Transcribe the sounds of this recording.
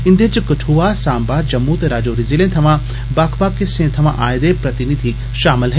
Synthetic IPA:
ɪnd̪eːt͡ʃɐkɐʈʰuʋaːsaːmbaːɾd͡ʒɐmːut̪eɾaːd͡ʒoːɾizilẽːnt̪ʰɐmãː | baːkʰbaːkːesẽːnt̪ʰɐmã̰ʔaːjd̪epɾɐt̪inid̪ʱi | ʃaːmɪlɦe

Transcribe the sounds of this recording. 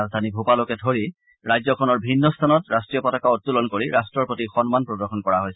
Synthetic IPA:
azdʱanibʱupalokɛdʱoɹi | ɹajzɔkʰɔnɔɹbʱinːɔst̪ʰanɔtɹastɹijɔpɔtakaɔtːulɔnkoɹiɹastɹɔɹpotixɔnmanpɹɔdɔɹxɔnkɔɹaɦojs

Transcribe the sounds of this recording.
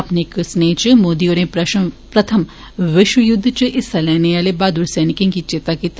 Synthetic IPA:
ɐpnekɨsneːt͡ʃɨmoːd̪ioːɾẽpɾɐ | pɾɐt̪ʰəm | ʋɪʃʋjʊd̪ʱːt͡ʃɨʔɪsɐlɛːneʋaːlebaːd̪uɾsɛːnɪkẽŋkit͡ʃeːt̪akit̪

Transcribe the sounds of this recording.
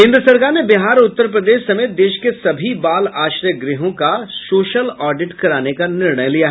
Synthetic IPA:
ɦɪ̃nd̪sɐɾɡanebɪɦaːɾʊt̪ːəɾp̬ɾəd̪eːʃsɐmeːt̪̚d̪eːʃkesɐbʱibaːlaːʃɾjəɡɾɪɦõkasoːʃəlɔːɖɪʈkɐɾaːnekanɪɾɳəjlijaɦ

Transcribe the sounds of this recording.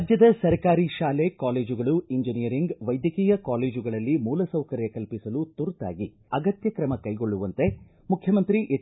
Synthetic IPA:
d͡ʒjɐd̪ɐsɐɾkaːɾiʃaːlekaːleːd͡ʒuɡɐɭuiɲd͡ʒinijɐɾiŋɡʋɐjd̪jɐkiːjɐkaːleːd͡ʒuɡɐɭɐlːimuːlɐsɐwkɐɾjɐkɐlpisɐlut̪uɾt̪a̰ːɡi | ɐɡɐt̪jɐkɾɐmɐkɐjɡo̞ɭːuʋɐnt̪e̞ | mukʰjɐmɐnt̪ɾiʔe

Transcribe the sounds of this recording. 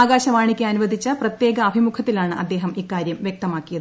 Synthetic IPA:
aːɡaːɕɐʋaːɳikʲːeɐnuʋɐd̪ʱit͡ɕːɐprɐt̪je̞ːɡɐːbʱimukʰɐt̪ːilaːɳɨʔɐ̰d̪ːe̞ːɦɐmikːaːɾjɐmʋjek̚t̪ɐmaːkːijɐðɨ

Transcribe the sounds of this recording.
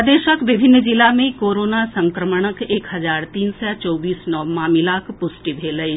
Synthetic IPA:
d̪eːʃəkʋɪbʱɪnːd͡ʒɪlamẽkoːɾoːnasə̃ŋkɾəməɽ̃əkeːkɦɐzaːɾt̪iːnsat͡ʃɔːbiːsnɔːmaːmɪlakpʊsʈibʱeːləj

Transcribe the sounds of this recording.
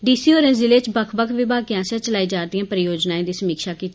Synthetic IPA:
ɖiːsiːoːɾẽːzɪleːt͡ʃbəkʰbəkʰʋɪbʱaːɡijãːsɛːt͡ʃəlaːiːd͡ʒaːd̪ijãːpəɾɪjoːd͡ʒnaːẽːd̪iːsəmiːkʃaːkiːt̪ː

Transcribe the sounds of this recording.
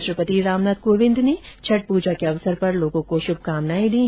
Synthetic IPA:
ʃɾəpət̪iɾaːmnaːd̪̚koːʋɪ̃nd̪net͡ʃʰɐʈ̚puːd͡ʒakeɐʋsəɾpɐɾloːɡõkoʃʊb̚ʱkaːmnaːĩd̪ĩː

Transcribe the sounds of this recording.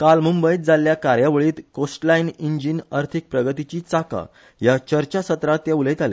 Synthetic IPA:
kalmumbəjt̪̚d͡zaljakaɾjaʋəɭiːt̪kosʈlainiɲd͡ʑinaɾt̪ʰik̚pɾəɡət̪it͡ɕiːt͡saka̰ | jat͡ɕəɾt͡ɕasət̪ɾat̪jaulet̪ale

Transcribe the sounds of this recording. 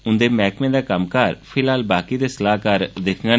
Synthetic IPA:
ʊnd̪eːmɛːkmẽːd̪aːkəmkəɾpʰɪlɦaːlbaːkiːd̪eːsəlaːɦkəɾd̪ɪkʰɡaː

